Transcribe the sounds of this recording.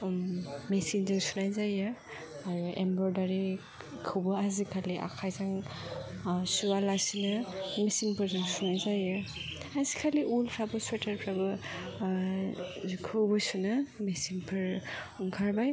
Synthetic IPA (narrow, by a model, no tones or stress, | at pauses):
mesinzɯŋsunajzajɯ | aɾuembɾɔɾdaɾi | kʰɯwbɯazikʰaliʔa̰kʰajzaŋ | sualasinɯmesiŋpʰɯɾzɯŋsunajzajɯ | azikʰaliʔulpʰɾabɔswatʰaɾpʰɾabɯ | zukʰɯwbɯsunɯmesinpʰɯɾ | uŋkʰaɾbaj